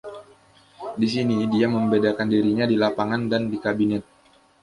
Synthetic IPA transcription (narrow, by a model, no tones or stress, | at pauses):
dis̬inidiaməmbedakandiɾiɲadilapaŋandandikabinɛt̪̚